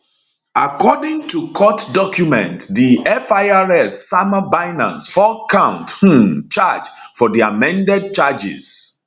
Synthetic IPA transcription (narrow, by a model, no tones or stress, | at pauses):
akʰɔdɪ̃ŋtʰukʰɔtdɔkʰjumɛ̰̃ntdiɛfaɪaɹɛsːaməbaɪnã̰nsfɔkʰãʊ̃nthũt͡ʃad͡ʒ | fɔdiamɛ̃ndɛd̚t͡ʃad͡ʒḭs